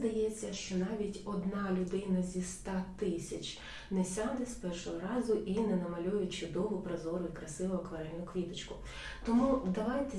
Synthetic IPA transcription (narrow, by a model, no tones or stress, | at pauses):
d̪ɐjɛt͡sʲːɐʃt͡ʃɔnɑʋʲitʲɔd̪nɑlʲʊd̪ɪnɐzʲist̪ɑt̪ɪsʲɐt͡ʃ | nɛsʲɑd̪ɛspɛrʃɔɦɔɾɑzʊʔinɛnɐmɐlʲɔjʊt͡ʃʊd̪ɔʋʊpɾɐzɔɾʊikɾɐsɪʋʊɦɐkʋɐɾɛlʲʊkʋʲit̪ɐt͡ʃkʊ | t̪ɔmud̪ɐʋɑjt̪ɛ